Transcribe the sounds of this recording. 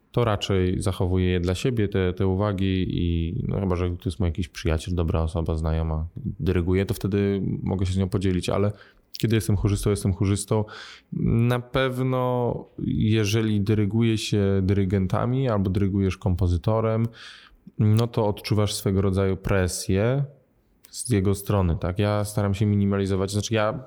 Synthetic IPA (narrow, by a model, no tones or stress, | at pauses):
t̪ɔɾat͡ʂɛjzaxɔvujɛjɛd̪laɕebʲjɛt̪ɛt̪ɛuvaɡʲiḭnɔ̰xɘbaʐɛt̪ɔjɛst̪mujakʲiɕpʂɘja̰t͡ɕɛld̪ɔbɾaɔsɔbaznajɔmad̪ɛɾɛɡujɛt̪ɔft̪ɛd̪ɘmʔɔ̰ɡɛɕ̬ɛzɲɔ̃w̃pɔd͡ʑelʲit͡ɕa̰lɛ | kʲɛd̪ɘɪjɛst̪ɛmxuʐɘst̪ɔ̃w̃jɛst̪ɛmxuʐɘst̪ɔ̃w̃ | napɛvnɔ | jɛʐɛlʲid̪ɛɾɛɡujɛɕɛd̪ɘɾɘɡɛnt̪a̰mʲialbɔd̪ɘɾɛɡujɛʂkɔmpɔzɘt̪ɔɾɛm | nɔt̪ɔːt̪t͡ʂuvaʂsfɛɡɔɾɔd̪zajupɾɛsʲjɛ | z̥jɛɡɔst̪ɾɔnɘt̪akjast̪aɾamɕɛmʲiɲʲimalʲizɔvat͡ɕzat͡ʂɘja